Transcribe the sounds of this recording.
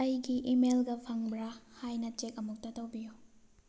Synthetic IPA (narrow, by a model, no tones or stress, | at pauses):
ajɡiʔimelɡɐpʰɐŋbɾɐhajnɐt͡ʃek̚ɐmuk̚tɐtɐwbiju